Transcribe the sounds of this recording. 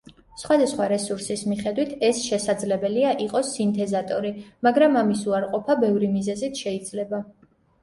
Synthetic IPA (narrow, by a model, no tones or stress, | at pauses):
sχwad̪asχwaɾɛsuɾsismiχɛd̪wit̪ʰɛsʃɛsad̪zlɛbɛliaʔiqʼɔsint̪ʰɛzat̪ʼɔɾimaɡɾamamisuaɾqʼɔpʰabɛvɾimizɛzit̪ʰʃɛid̪zlɛba